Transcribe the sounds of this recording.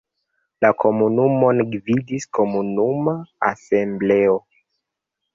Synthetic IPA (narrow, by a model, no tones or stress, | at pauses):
lakʰo̞munumo̞nɡvidisko̞munumaa̰semble̞o